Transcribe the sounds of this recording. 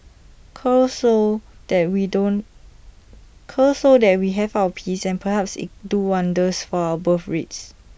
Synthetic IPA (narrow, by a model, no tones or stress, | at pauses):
kʰəsod̥ɛt̚widõn | kʰəsodɛt̚wiɦɛvawəpʰisɛ̃npʰəhɛpsḭtduwãndəsfɔawəbəfɹits